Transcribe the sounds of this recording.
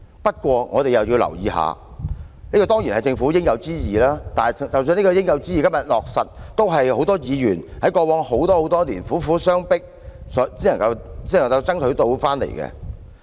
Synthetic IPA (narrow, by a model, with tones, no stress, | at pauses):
pɐ˥t̚kʷɔː˧ŋɔ̰ː˨˧t̪e˨jɐ˨˩wjiː˧wlɐ̰˨˩wjḭː˨˧ha̰ː˨˧ | niː˥kɔː˧t̪ɔː˥ŋjiː˨˩nhɐ˨˩jt͡sɪ˧ŋfuː˨˥jɪ˥ŋjɐ˨˧wt͡siː˥jiː˨˩laː˥t̪aː˨n˨t͡sɐ˨ws̬y˧ni˥kɔː˧jɪ˥ŋjɐ˨˧wt͡siː˥jiː˨kɐ˥mjɐ˨t̚lɔː˨k̚sɐ˨t̚t̪o˥wɦɐ˨jho˨˥wt̪ɔː˥jiː˨˧jyː˨˩nhɐ˨˥jkɔː˧wɔː˨˥ŋho˨˥wt̪ɔː˥ho˨˥wt̪ɔː˥liː˨˩nfuː˨˥fuː˨˥sœː˥ŋpɪ˥k̚ | sɔ˨˥t͡siː˥nɐ˨˩ŋkɐ˧wt͡si˥˩˨ŋkɐ˧wt͡sɐ˥ŋt̪ʰɵ˨˥ɥt̪o˧wfaː˥nlḛ˨˩jkɛ̰˧